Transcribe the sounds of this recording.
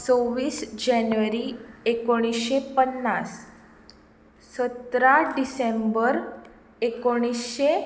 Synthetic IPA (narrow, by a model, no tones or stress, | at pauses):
t͡soʋiːsd͡ʑɛnʋəɾiekoɽ̃isɕepənːas | sət̪ɾaɖisembəɾ | ekoɽ̃isɕe